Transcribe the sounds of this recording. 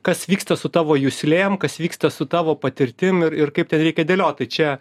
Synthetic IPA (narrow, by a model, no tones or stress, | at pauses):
kɐsʋʲiːkst̪ɐsʊt̪ɑːʋoːjʊsʲlʲeːmkɐsʋʲiːkst̪ɐsʊt̪ɑːʋoːpɐt̪ʲɪɾʲt̪ʲɪmɪɾɪrkɐɪp̚tʲɛnɾʲɛɪkʲɛd̪ʲeːlʲoːt̪̚t̪ɐɪt͡ʃʲɛ